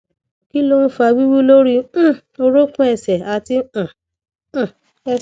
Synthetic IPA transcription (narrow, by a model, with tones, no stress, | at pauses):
ki˦lo˦ũ˦fa˧wi˦wi˦lo˦ɾĩ˦ | o˧ɾo˦kũ˦ɛ˨sɛ˨a˧˨ti˧˦ã˨ | ɛ˧